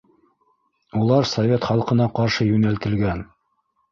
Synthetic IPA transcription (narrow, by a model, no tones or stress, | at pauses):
ulˠɑɾsovʲet̪χɑlˠqɤ̆nɑqɑɾʃɤjʉnælt̪ɘ̆lɡæn